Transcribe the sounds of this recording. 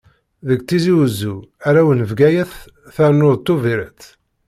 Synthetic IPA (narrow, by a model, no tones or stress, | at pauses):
ðəɡt͡s̪ːiziwəzːuæɾæwənəvɡæjæθ | θæɾnːʊðˤt̪ːuviɾət͡sː